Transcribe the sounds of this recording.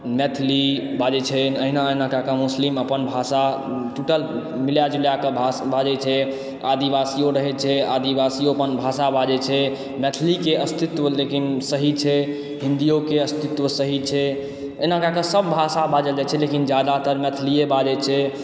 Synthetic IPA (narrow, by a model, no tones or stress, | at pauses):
mɛt̪ʰlibad͡ʒɛt͡ʃʰənəɦinaəɦinakakəmusliməpənbʱasa | ʈuʈəl | miljad͡ʒuljakebʱabad͡ʒɛt͡ʃʰɛ | ad̪ibasijoɾəɦɛt͡ʃʰɛad̪ibasijoəpənbʱasabad͡ʒɛt͡ʃʰɛ | mɛt̪ʰlikeəst̪it̪wəlekinsəɦit͡ʃʰɛ | ɦĩnd̪ijokeəst̪it̪wəsəɦit͡ʃʰɛ | əɦinakakesəb̚ːʱasabad͡ʒəd͡ʒɛt͡ʃʰɛlekind͡ʒjad̪at̪əɾmɛt̪ʰliebad͡ʒɛt͡ʃʰɛ